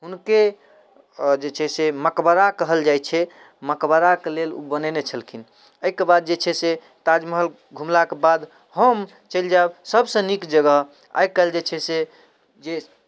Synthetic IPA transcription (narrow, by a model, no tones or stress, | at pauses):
ɦunke | d͡ʒet͡ʃʰɛseməkbəɾakəɦəld͡ʒajt͡ʃʰɛ | məkbəɾakelelṵbənenet͡ʃʰəlkʰin | əikebad̪̚d͡ʒet͡ʃʰɛse | t̪ad͡ʒməɦəl | ɡʱumlakebad̪ | həm | t͡ʃəld͡ʒabsəbsə̃nikd͡ʒəɡəɦ | a̰jkəɦld͡ʒet͡ʃʰɛse | d͡ʒe